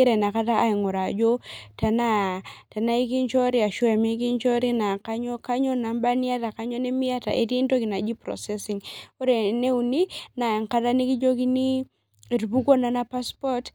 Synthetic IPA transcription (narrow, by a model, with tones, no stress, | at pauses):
i˦ɾe˨na˨ka˦ta˦ʔːi˨ŋo˨ɾa˨d͡ʒo˦ta˨na˦ta˨na˦i˦ki˦nt͡ʃɔ˦ɾi˦a˨ʃu˦ɛ˨mi˦k̬i˦nt͡ʃɔ˦ɾi˦na˨ka˦ɲɔ˦ka˦ɲɔ˦na˨mba˦ni˦a˦ta˨ka˦ɲɔ˦ne˦mi˦a˦ta̰˨ʔe˨ti˦nto˦ki˨na˨d͡ʒi˦pɾɔ̰˨sɛ˦si˨ŋo˦ɾe˨ne˦u˨ni˦na˨ŋka˦ta˦ni˦ki˦d͡ʒo˦ki˦ni˦ | e˨ɾbu˦ko˦na˨˦na˦pa˦spɔ˦t